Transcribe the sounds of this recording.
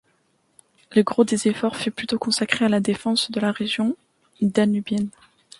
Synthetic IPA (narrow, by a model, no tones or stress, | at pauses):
ləɡʁod̪ezefɔʁfyplyt̪okɔ̃sakχealad̪efɑ̃sd̪əlaʁeʒjɔ̃ | d̪anybjɛn